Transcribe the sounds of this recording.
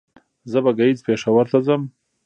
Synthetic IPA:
zəbaɡaizpeʂawaɾt̪azəm

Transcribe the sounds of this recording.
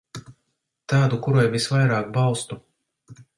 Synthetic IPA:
t̪aːd̪ukuɾajvisvajɾaːkbawst̪u

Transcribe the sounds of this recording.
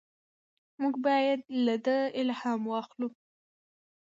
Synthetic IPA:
muɡbɑjad̪lad̪əɪlhɑmwɑxlu

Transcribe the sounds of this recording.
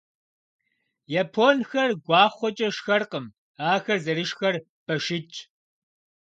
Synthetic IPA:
jaːpʰoːnxɐrɡʷɑːχʷɔt͡ʃʼɐʃxɐrqəm | aːxɐrzɐɾɨʃxɐr | b̥ɐʃɪt͡ʃʼ

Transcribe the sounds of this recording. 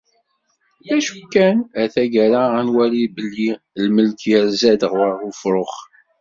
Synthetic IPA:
ðæʃukːænæθæɡæɾaænwælibəlːi | lməlkʰjæɾzæd̪əʁwəɾufɾˤoχ

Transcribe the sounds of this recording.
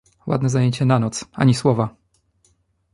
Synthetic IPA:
wʔa̰d̪nɛzajeɲt͡ɕɛnanɔt̪sa̰ɲiswɔva

